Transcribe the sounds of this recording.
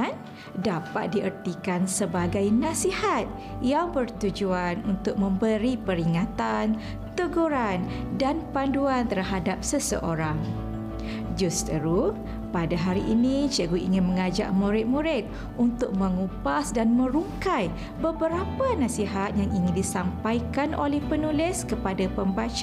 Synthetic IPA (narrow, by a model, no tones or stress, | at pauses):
n | dapat̪̚diʔərt̪ikansəbaɡajnãsihat̪̚ | jaŋbərt̪ud͡ʒuanunt̪ʊk̚mə̃mbəɾipəɾiŋat̪an | t̪əɡuɾandanpanduant̪ərɦadap̚səsə̰ʔoɾaŋ | d͡ʒust̪əɾu | padaɦaɾiʔinit͡ʃəɡuʔḭŋɪnmə̃ŋad͡ʒa̰ʔmũɾɪt̪̚muɾɪt̪̚ | unt̪ʊk̚mə̃ŋupasdanmə̃ɾuŋkaj | bəbəɾapanasiɦat̪̚jaŋiŋɪndisampajkanʔo̰lɛhpənulɪskəpadapəmbat͡ʃ